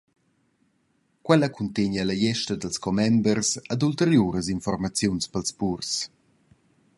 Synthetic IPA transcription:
kwɛləkʰunt̪eɲəlajɛʃtəd̪əlskɔmɛmbərsad̪ult̪eɾjuːɾəzinfɔrmat͡sjunspəlspurs

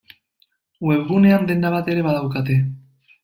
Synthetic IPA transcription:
we̞βɣune̞and̪e̞nd̪aβat̪e̞ɾe̞βaðawkat̪e̞

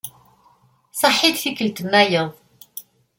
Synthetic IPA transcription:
sˤɑħːid̪θikəlt̪əmːæjəðˤ

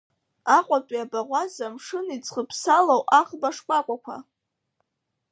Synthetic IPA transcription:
aqʷʼatʷʼiabaʁʷazamʂɨnit͡sʼχəpʰsalowaχbaʂkʷʼakʷʼakʷʰa̰

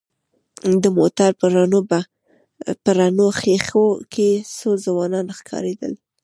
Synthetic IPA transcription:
d̪əmo̰t̪aɾpəɾanob | pəɾanoxexokʰesozəwɑnɑnxkʰɑ̰ɾed̪ə̰l

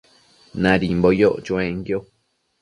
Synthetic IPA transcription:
nãɾimbojoʔt͡ʃuẽŋɡjo

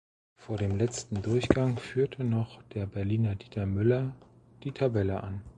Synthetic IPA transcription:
foːɐɾeːmlɛt͡stn̩dʊɐçɡ̥aŋfyːɐtʰənɔχd̥eːɐbɛɐliːnɐdiːtʰɐmʏlɐ | d̥iːtʰabɛləʔan

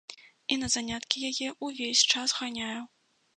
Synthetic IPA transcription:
inɐzanʲat̪kʲijajɛʔuvʲesʲt͡ʂasɣanʲajuw

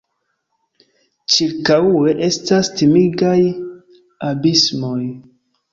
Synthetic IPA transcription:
t͡ʃiɾkaue̞ʔe̞stastimiɡaj | abismo̞j

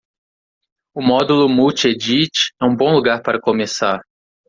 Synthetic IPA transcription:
ʊmɔd̪ulʊmut͡ʃed͡ʒit͡ʃɛũbõluɡaɾpaɾɐkomesaɾ

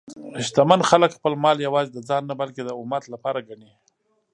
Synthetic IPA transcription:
ɪʃt̪amanxaləkxpəlmɑljawɑzed̪əd͡zɑnːabalked̪əʊmat̪lapɑɾaɡaɳi

